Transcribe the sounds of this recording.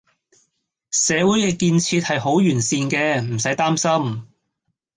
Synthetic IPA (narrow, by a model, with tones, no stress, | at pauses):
sɛː˨˧wu˨˥jkɛː˧kiː˧nt͡sʰiː˧t̚hɐ˨jho˨˥wjyː˨˩nsiː˧nkɛː˧m̩˨˩sɐ˨˥jt̪aː˥msɐ˥m